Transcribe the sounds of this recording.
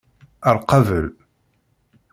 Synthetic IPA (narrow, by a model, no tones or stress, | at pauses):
əɾˤqɑvəl